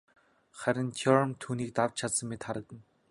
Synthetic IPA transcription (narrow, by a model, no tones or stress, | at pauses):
χæɾʲɪ̆nt̪ʰɔɾmt̪ʰuːniːk̚t̪aw̥t͡ɕt͡ɕʰat̪sə̆mːet̪χaɾə̆kə̆n